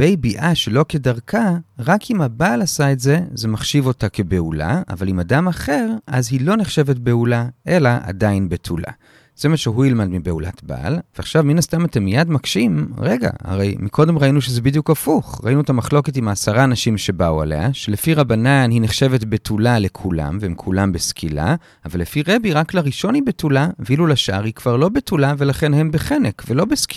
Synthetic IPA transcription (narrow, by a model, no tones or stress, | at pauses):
b̥ejbiʔaʃe̞lo̞ke̞daʁkʰaʁakimabaːlasaetze̞zemaχʃivo̞take̞be̞ula̰a̰valimadamaχe̞ʁʔazhilo̞neχʃe̞ve̞tbe̞ulaʔe̞laʔa̰dainbetʰula̰ | z̥e̞maʃeɦujilmadmibe̞ula̰tba̰lveaχʃavminastamatemijadmakʃimʁeɡa̰ha̰ʁe̞jmikʰo̞de̞mʁainuʃezebid̪jukafuχʁa̰inuetamaχlo̞ke̞t̬imaːsaʁaːnaʃimʃe̞baua̰lḛaʃele̞fiʁabananhineχʃe̞vetbe̞tʰulale̞kʰula̰mveimkʰulambeskʰila̰ | avalːefiʁe̞biʁaklaʁiʃo̞nibetulavilulaʃaʔaʁhikv̥aʁlo̞betulave̞laχe̞nhe̞mbeχenekve̞lobesk